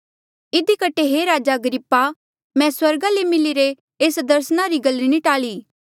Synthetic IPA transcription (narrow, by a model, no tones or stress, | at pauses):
ɪd̪ikɐʈʰeɦeɾaːd͡ʒaɐɡəɾɪpːa | mɛ̃swɐɾɡalemɪliɾe | eːsd̪ɐɾsnaɾiɡɐliniʈaːliː